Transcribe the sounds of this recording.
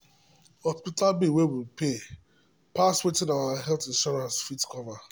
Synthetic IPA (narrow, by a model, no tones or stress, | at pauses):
hɔspitalbiwewilpe | paswetinaaaɦɛltɪ̃nʃɔɾãnsfitkɔva